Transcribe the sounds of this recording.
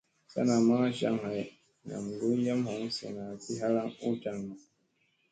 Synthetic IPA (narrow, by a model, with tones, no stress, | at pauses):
sa̰˦na˨ma˦ʃa̰˦ŋha˨j | na̰˨m˨ɡu˦ja˦mha˨˦ŋ˦sḛ˨na˨ti˦ɦa˦la˦ŋu˦ta˨ŋma˨